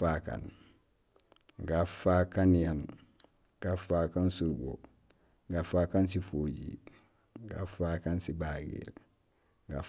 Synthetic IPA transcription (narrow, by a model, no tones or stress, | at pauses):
aka̰n | ɡafakanjan | ɡ̥afakansuɾbo̰ | ɡafakans̬ifoːɟḭ | ɡa̰fakansibaːɡḭɾ | ɡa̰